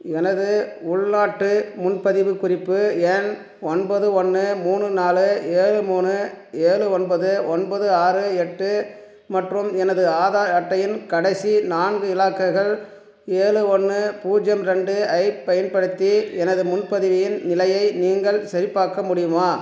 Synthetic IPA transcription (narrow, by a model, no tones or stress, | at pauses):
ɛnɐðɯʊɭnaːʈːɯmʊnpɐðɪʋɯkʊrɪpːɯɛn | ɔnbɐðɯɔnːɯmuːnɯnaːlɯeːɻɯmuːnɯeːɭɯɔnbɐðɯɔnbɐðɯaːrɯɛʈːɯ | mɐʈrɯmɛnɐðɯaːðaːɐʈːɐjɪnkɐɽɐɪsinaːnɡɯɪlaːkːɐɪɣɐɭ | eːɻɯɔnːɯpuːd͡ʒɐmɾɛɳɖɯɐɪppːɐjɐnpɐɽɯt̪ːiɛnɐðɯmʊnpɐðɪʋɪjɪnnɪlɐjɐɪniːŋɡɐɭsɐɾɪpːaːɾkɐmʊɽɪjɯmaː